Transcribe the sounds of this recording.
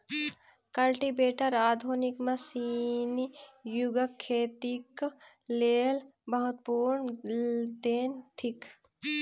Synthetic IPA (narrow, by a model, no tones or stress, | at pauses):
kɐlʈibeːʈəɾaːd̪ʱunikmɐsinijuɡəkʰːeːt̪ik | leːlbɐɦʊt̪̚puɾɳ | d̪eːnt̪ʰik